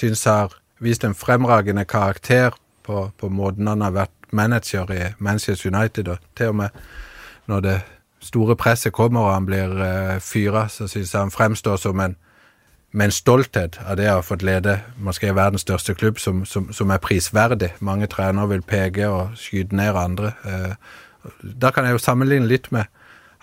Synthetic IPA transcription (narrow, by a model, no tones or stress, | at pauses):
sʏnshɑʁ | ʋiːst̪ɛnfʁɛmʁɑːɡənəkʰɑʁɑkt̪ʰeːʁ | pʰɔpʰɔmoːd̪nɑnɑʋæʁt̪mænəd̪d͡ʒəʁɪmænsæstjʊnɑɪt̪ɪd̪ɔt̪ʰɪlɔmɛ | nɔʁd̪ɛ | st̪uːɾəpʰʁɛsːəkʰɔmːəɾɔhɑnblɪʁfyːɾɑsɔsʏnshɑnfɾɛmst̪oːsɔmɛn | mɛɛɪnst̪ɔlt̪heːt̪ɑ̰d̪ɛhɑfɔt̪leːd̪əmɔskɪːʋæʁd̪n̩st̪œʁst̪əkʰlʉbsɔmsɔmsɔmæʁpʰʁiːsʋæʁd̪ɪmɑŋːət̪ʰʁæːnəʁʋɪlpʰeːɡəɔskyːd̪əneːɾɑnd̪ʁə | d̪æʁkʰɑnjæɪjʊsɑmːənlɪŋnəlɪt̪ːmɛ